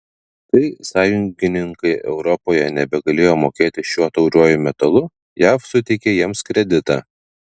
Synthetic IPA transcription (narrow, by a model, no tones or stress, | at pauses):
kɐɪsɑːjʊŋʲɡʲɪnʲɪŋkɐɪʔɛʊɾɔpoːjɛnʲɛbʲɛɡɐlʲeːjoːmoːkʲeːt̪ʲɪʃʲuɔt̪ɐʊɾʲuɔjʊmʲɛt̪ɐlˠʊ | jæːfsʊt̪ʲɛɪkʲejɛmskɾʲɛd̪ʲɪt̪ɑ̰ː